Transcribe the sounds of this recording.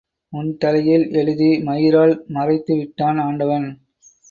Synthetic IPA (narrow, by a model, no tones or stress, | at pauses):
ʊnt̪ɐlɐjɪlɛɻɯðimɐjɪɾaːɭmɐrɐɪt̪ːɯʋɪʈːaːnaːɳɖɐʋɐn